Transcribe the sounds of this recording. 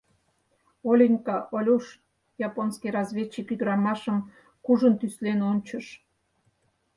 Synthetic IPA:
olʲinʲkɑʔolʲuʃ | jɑponskijɾɑzβʲet͡ɕːikyd̪əɾɑmɑʃəm | kuʒənt̪yslenonʲt͡ɕəʃ

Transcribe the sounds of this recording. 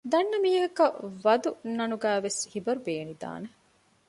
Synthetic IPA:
d̪ɐnːɐmiːɦɐkɐʋɐd̪unɐnuɡæːʋeshibɐɾubeːnid̪a̰ːne

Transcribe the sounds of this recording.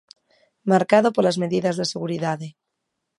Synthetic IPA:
maɾkaðopolazmeðiðazðeseɣuɾiðaðe

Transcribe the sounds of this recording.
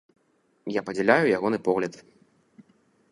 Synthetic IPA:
japɐd͡zʲɛlʲajujaɣɔnɨpɔɣlʲɐt̪

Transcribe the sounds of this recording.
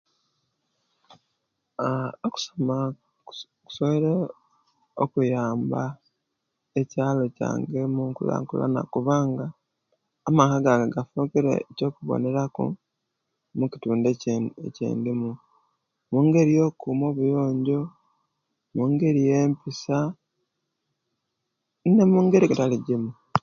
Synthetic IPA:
oku̥soma | ku̥soβeɾe | o̰kujaːmba | e̞caːlo̞ca̰ːŋɡe̞muŋkṵla̰ŋkṵla̰na̰kuβaːŋɡaː | makaɡaɡaɡafukiɾḛco̞ːkuβo̰ne̞ɾakṵ | mukituːndeecḛːndimu | muːŋɡe̞ɾijo̞kumo̞ːβujo̞ːɲɟo̞ | muːŋɡe̞ɾije̞ːmpisa | nnemuŋɡe̞ɾiɡataliɟimu

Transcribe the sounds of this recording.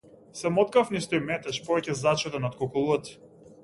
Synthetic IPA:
sɛmɔt̪̚kafnist̪ɔjmɛt̪ɛʃpɔvɛcɛzat͡ʃɔt̪ɛnat̪̚kɔkɔlˠuat̪

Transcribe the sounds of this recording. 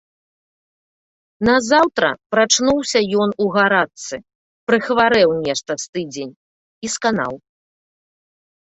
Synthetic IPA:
nɐzawt̪ɾɐ̰pɾat͡ʂnuwsʲɐjɔnuɣaɾat̪sɨ | pɾɨxvaɾɛwnʲɛʂt̪ɐst̪ɨd͡zʲenʲ | iskana̰w

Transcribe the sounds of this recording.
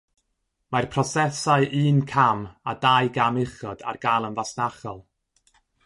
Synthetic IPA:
marpʰrɔsɛsaɨʔɨːnkʰamadajɡamɪχɔda̰rɡalˠənvasnaχɔlˠ

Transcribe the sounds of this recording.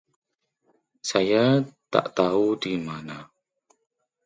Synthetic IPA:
sajat̪a̰ʔt̪audimana

